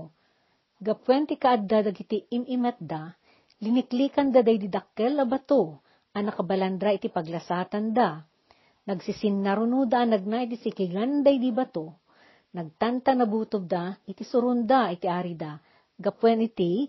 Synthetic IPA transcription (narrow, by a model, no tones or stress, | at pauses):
ɡɐpwɛnt̪ikɐʔad̪ad̪ɐɡɪt̪iɪmʔɪmɛt̪̚d̪a | lɪnɪkliːkɐnd̪ad̪ajd̪id̪ɐkːɛlɐbɐt̪o | ʔɐnɐkɐbɐlɐnd̪ɾaʔɪt̪ipɐɡlɐsaːt̪ɐnd̪a | nɐɡsɪsɪnːaɾʊnud̪aʔanɐɡ̚naʔɪt̪isɪkɪɡand̪ajd̪ibɐt̪o | nɐɡ̚t̪ant̪ɐnɐbuːt̪ʊd̪aɪt̪isʊɾʊnd̪aʔɪt̪iʔaːɾid̪a | ɡɐpwɛnɪt̪i